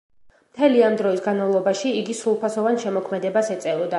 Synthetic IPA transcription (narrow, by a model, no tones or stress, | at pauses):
mt̪ʰɛliamd̪ɾɔisɡanmavlˠɔbaʃiːɡisɾulˠpʰasɔvanʃɛmɔkʰmɛd̪ɛbasɛt̪sʼɛvɔd̪a